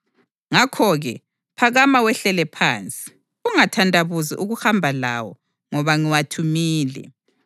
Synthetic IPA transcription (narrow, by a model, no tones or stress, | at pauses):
ŋakʰɔɣɛ | pʰaɣamawɛɬɛlɛpʰaːnt͡sʼi̥ | uŋatʰandʼʱaβuzḭʔuɣuhambʱala̰wɔ̰ | ŋɔβaŋiwatʰumiːlɛ̰